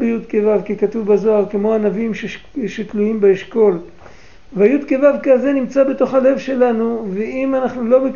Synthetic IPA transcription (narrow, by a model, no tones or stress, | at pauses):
bejud̪kevavkikat̪uvbazo̞aʁkemo̞anavimʃe | ʃet̪luimbeeʃko̞l | veajud̪kevavkaze̞nimt͡sabe̞t̪o̞χhale̞vʃe̞lanuveimanaχnulo̞bek